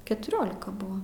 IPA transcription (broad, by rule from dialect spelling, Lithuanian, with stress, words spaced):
kʲɛtʊˈrʲoːlʲɪkɐ ˈbʊʋɐ